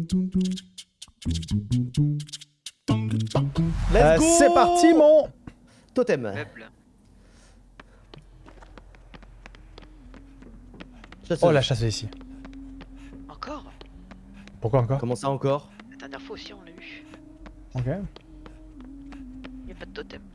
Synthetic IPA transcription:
lɛɛpaʁt̪imɔ̃ | t̪ot̪ɛmb | ʃasolaʃasɛisi | ɑ̃kɔʁ | puʁkwaɑ̃kɔʁkɔmɑ̃saɑ̃kɔʁsɛt̪ɛ̃t̪ɛʁfoosiɔ̃navy | okʲe | ijapad̪ət̪ot̪ɛm

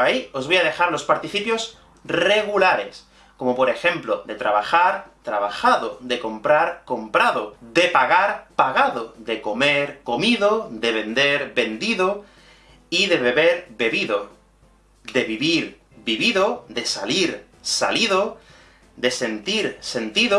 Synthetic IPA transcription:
aio̞zβojaðe̞xaɾlo̞spaɾt̪iθipjo̞s | re̞ɣ̞ulaɾe̞s | ko̞mo̞po̞ɾe̞xe̞mplo̞ðe̞t̪ɾaβ̞axaɾt̪ɾaβ̞axaðo̞ðeko̞mpɾaɾko̞mpɾaðo̞ðe̞paɣaɾpaɣaðo̞ðe̞ko̞me̞ɾko̞miðo̞ðe̞βe̞nd̪e̞ɾbe̞nd̪iðo | iðe̞βe̞βe̞ɾbe̞βiðo̞ | d̪e̞βiβiɾ | biβiðo̞ðe̞saliɾ | sa̰liðo | d̪e̞se̞nt̪iɾse̞nt̪iðo

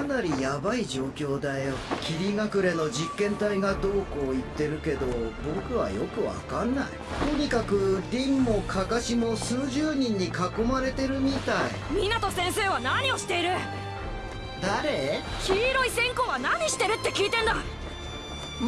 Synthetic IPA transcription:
anaɾʲijabaid͡ʑo̞ːkʲo̞ːd̪ajokʲiɾʲiŋakɯ̟ɾe̞no̞d͡ʑikːẽ̞nt̪aiɡad̪o̞ːko̞ːit̪ːe̞ɾɯ̟ke̞d̪o̞bo̞kɯ̟βa̰jo̞kɯ̟βa̰kãnːa̰ḭt̪o̞ɲ̟ikakɯ̟ɾʲĩmːo̞kʰakaɕimo̞sɨːʑɨːɲ̟ĩɲ̟ːikakːo̞maɾe̞t̪e̞ɾɯ̟mʲit̪aḭmʲinat̪o̞sẽ̞ɰ̃se̞ːβ̞anaɲ̟io̞ɕi̥t̪e̞iɾɯ̟ | d̪aɾe̞kʲiːɾo̞isẽ̞ŋko̞ːβanaɲ̟iɕi̥t̪e̞ɾɯ̟t̪ːe̞kʲiːt̪ẽ̞nd̪a

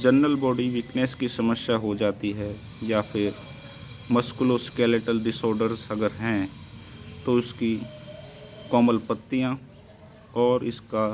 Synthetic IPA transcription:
d͡ʒənːəlbɔːɖiʋɪkneːskisɐməsjaɦod͡ʒaːt̪iɦɛ | jafʰɪɾ | məskʊloskeːleʈəlɖɪsɔːɾɖəɾzɐɡəɾɦɛ̃ | t̪oʊski | kɔːməlpət̪ːijã | ɔːɾɪska

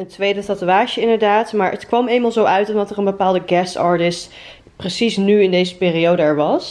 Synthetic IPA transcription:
əntʋejdətɑtuaːʃəɪndəɹdaːtmaːɹʔə̰tkʋɑmejmalˠzowœɥtɔndɑtərənbəpaːlˠdəɡɛsɑ̰ːɹtɪst | prəsisnyɪndejzəpɪːrijowdəɛɹʋɑs

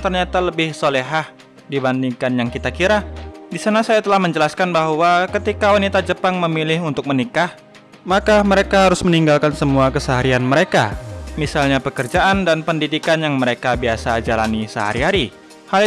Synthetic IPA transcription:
t̪ərɲat̪aləbɪhsoleɦah | dibandiŋkanjaŋkit̪akiɾadisanasajat̪əlahməɲd͡ʒəlaskanbaɦwakət̪ikawanit̪ad͡ʒəpaŋməmilɪɦunt̪ʊk̚mənikah | makaməɾekaɦaɾʊsməniŋɡalkansəmuakəsəɦaɾianməɾeka̰misalɲapəkərd͡ʒaʔandanpəndidikanjaŋməɾekabiasad͡ʒala̰nisəɦa̰ɾiɦaɾi | hal

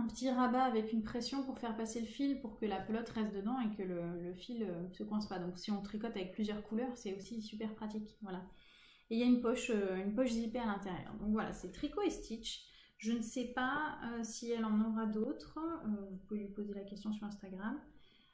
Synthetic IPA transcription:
ɛ̃pə̥t̪iʁabaːvɛkynpχɛsjɔ̃puʁfɛʁpaseləfilpuʁkəlapəlɔt̪ʁɛst̪̚d̪əd̪ɑ̃ekələləfiløsəkwɛ̃spad̪ɔ̃ksiɔ̃t̪χikɔt̪avɛk̚plyzjœʁkʰulœʁsɛosisypɛʁpχat̪ikvwala | eiljaynpɔʃøynpɔʃzipealɛ̃t̪eʁjœ̰ʁd̪ɔ̃kvwala̰sɛt̪χikoɛst̪ʰit͡ʃ | ʒənəsɛpaøsiɛlɑ̃nɔʁad̪ot̪χøvupuvelɥipozelakʲɛst̪jɔ̃syʁɛ̃st̪aɡʁam

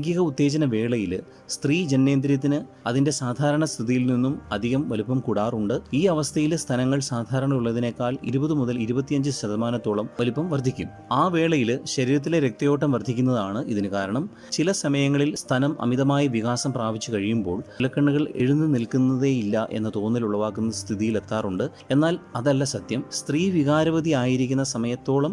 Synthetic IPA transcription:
ŋɡjiɣɐut̪ːe̞ːd͡ʑɐnɐʋe̞ːɭɐjil | st̪riːd͡ʑe̞nːe̞ːnd̪ɾjɐt̪ːinɨ | ɐðinde̞saːd̪ʱaːɾɐɳɐst̪ʰiðijilninːumɐd̪ʱiɣɐmʋɐlupːɐmkuɽaːruɳɖɨiːɐʋɐst̪ʰɐjilst̪ʰɐnɐŋːɐɭsaːd̪ʱaːɾɐɳɐuɭːɐðinekːaːlḭɾubɐðɨmuðɐliɾubɐt̪ːijɐɲd͡ʑɨɕɐðɐmaːnɐt̪ːoːɭɐmʋɐlupːɐmʋɐrd̪ʱːikʲːum | aːʋe̞ːɭɐjilɕɐɾiːɾɐt̪̬ːileɾek̚t̪ɐjo̞ːʈːɐmʋɐrd̪ʱikʲːunːɐðaːɳɨʔiðinɨkaːɾɐɳɐm | t͡ɕilɐsɐmɐjɐŋːɐɭilst̪ʰɐnɐmɐ̰miðɐmaːjiʋiɣaːsɐmpraːʋit͡ɕːɨkɐɻijumbo̞ːɭlɐkːɐɳːuɣɐɭe̞ɻunːɨnilkunːɐðe̞jilːɐʔe̞̰nːɐt̪o̞ːnːiluɭːɐʋaːkːunːɐst̪ʰiðijile̞t̪ːaːruɳɖɨ | e̞nːaːlɐðɐlːɐsɐd̪jɐmst̪riːʋiɣaːɾɐʋɐd̪iaːjiɾikʲːunːɐsɐmɐjɐt̪ːo̞ːɭɐm

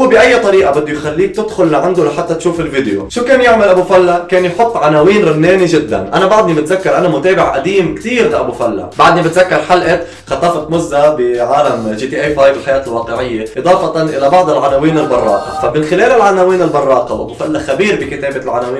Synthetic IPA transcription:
ubɪʔajːat̪ˤɑɾiːʔabɪd̪ːʊjxalːiːk̚t̪ɪd̪xʊlːaʕand̪ʊlaħat̪ːat̪ʃuːfɪlvid̪jo̰ʃuːkeːnjɪʕmalʔabuːfalːakeːnjħʊt̪ˤːʕanaːwiːnɾɪnːeːniʒɪd̪ːa̰nʔanabɑʕd̪ˤnibɪt̪zakːɑɾˤʔanamʊt̪eːbɪʕʔad̪iːmkt̪iːɾlaʔabufalːa̰baʕd̪nibɪt̪zakːɑɾˤħalʔɪt̪ | xɑt̪ˤːɑfɑt̪mʊzːabɪʕaːlamʒiːt̪iːʔeːfaːjbɪlħajaːt̪ɪlwɑːqɪʕɪjːeʔɨd̪ˤɑːfɑt̪ɑnʔɪlabɑʕd̪ˤɪlʕanaːwiːnɪlbɑrˤːɑ̰ːqɑ̰famɪnxɪleːlɪlʕanaːwiːnɪlbɑrˤːɑːqɑwlʔabufalːaxabiːɾbɪkɪt̪eːbɪlʕanaːwiː

